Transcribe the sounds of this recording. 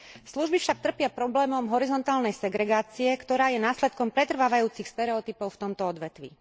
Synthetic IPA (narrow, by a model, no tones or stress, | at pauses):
sluʒbifʃak̚t̪r̩pɪapɾɔblɛːmɔmɦɔɾizɔnt̪aːlnɛjsɛɡɾɛɡaːt͡siɛkt̪ɔɾaːjɛnaːslɛt̪̚kɔmpɾɛt̪r̩ʋaːʋajuːt͡sixst̪ɛɾɛɔt̪ipɔʊft̪ɔmt̪ɔɔd̪ʋɛt̪ʋḭ